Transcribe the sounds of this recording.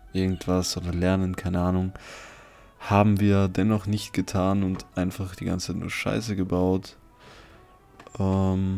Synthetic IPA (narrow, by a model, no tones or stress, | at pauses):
ʔɪɐɡŋ̩tv̥asʔoːdɐlɛɐnənkʰaɪnəʔaːnʊŋ | haːbm̩viːɐdɛnɔχnɪçtɡ̥ətʰaːnʊntʔaɪnfaχd̥iːɡa̰nt͡saɪtnṵɐʃa̰ɪsəɡəbaʊt | ʔɛm